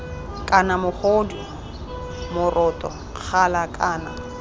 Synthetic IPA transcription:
kʼanamʊχodu | mʊrʔɔtʼɔ | k͡xʰalakʼaːna

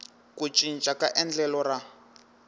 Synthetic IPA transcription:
kut͡ʃʼint͡ʃʼakaʔɛnd͡ɮɛlɔra

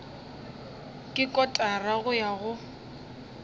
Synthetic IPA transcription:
kʼɪkʼɔtʼaraɣʊjaɣʊ

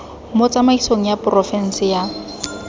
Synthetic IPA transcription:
mot͡sʼamaisoŋ̩japʊrɔfɛn̩sɪja

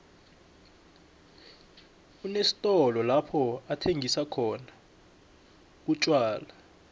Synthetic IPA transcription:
unesi̥tʼɔlɔlapʰɔatʰeŋʱisakʰɔna | k̬ut͡ʃʼwaːla

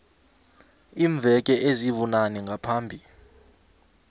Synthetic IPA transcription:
iːɱvʱɛk̬ʼɛʔeziβunanɛŋɡʱapʰaːmbʱi

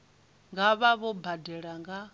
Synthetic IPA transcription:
ŋɡaβaβɔbadɛɺaŋɡa

